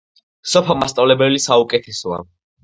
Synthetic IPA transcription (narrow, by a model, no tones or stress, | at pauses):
sɔpʰamast̪ʼavlɛbɛlisaukʼɛt̪ʰɛsɔa̰